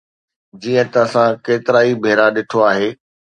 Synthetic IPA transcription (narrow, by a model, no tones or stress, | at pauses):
d͡ʑiːə̃t̪ɐsãkeːt̪ɪɾaːibʱeːɾaɗɪʈʰoaːɦeː